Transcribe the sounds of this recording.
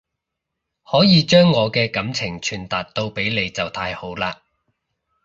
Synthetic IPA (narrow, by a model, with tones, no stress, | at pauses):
hɔː˨˥jiː˨˧t͡ʃœː˥ŋːɔː˨˧kɛː˧kɐ˨˥mt͡sʰɪ˨˩ŋt͡ʃʰyː˨˩nt̪aː˨˩t̚t̪o˧wpe˨˥jle˨˧jt͡sɐ˨wt̪ʰaː˧jho˨˥wlaː˧